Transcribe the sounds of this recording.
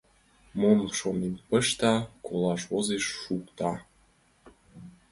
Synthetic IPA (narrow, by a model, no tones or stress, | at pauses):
monʃonenpəʃt̪ɑkolɑʃozeʃːukt̪ɑ